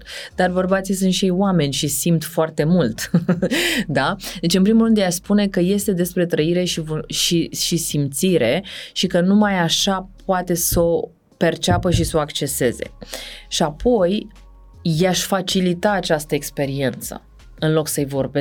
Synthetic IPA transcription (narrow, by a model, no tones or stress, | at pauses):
d̪arbərbat̪sijs̬unt̪ʃiejwame̞nʲʃisimt̪foart̪e̞mult̪ | d̪ad̪e̞t͡ʃɨnpɾimulɾɨnd̪jaʃspune̞kəje̞st̪e̞d̪e̞spɾe̞t̪ɾəiɾe̞ʃivʃiʃisimt̪siɾe̞ʃikənumajaʃapoat̪e̞so̞ | pe̞rt͡ʃapəʃiso̞akt͡ʃe̞se̞ze̞̰ʃiapʰo̞j | jaʃʲfat͡ʃilit̪aːt͡ʃast̪əekspe̞ɾie̞nt̪sə̰ | ɨnlo̞ksəjvo̞rbe